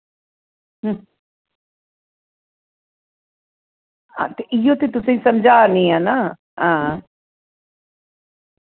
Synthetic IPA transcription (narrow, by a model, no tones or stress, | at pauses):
ɦ | a̰t̪eʔɪjoːt̪et̪ʊsẽĩsɐmd͡ʒʱaːnĩaːna | ɦãː